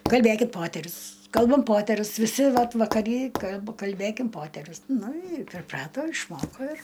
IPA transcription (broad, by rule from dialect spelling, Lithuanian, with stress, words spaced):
kɐlʲˈbʲeːkʲɪt ˈpoːtʲɛrʲʊs ˈkɐlˠbɐm ˈpoːtʲɛrʲʊs ʋʲɪˈsʲɪ ˈʋɐt ʋɐkɐˈrʲiː kɐlˠp kɐlʲˈbʲeːkʲɪm ˈpoːtʲɛrʲʊs nʊ ɪ pʲrʲɪˈprɑːtoː ɪʃˈmoːkoː ɪr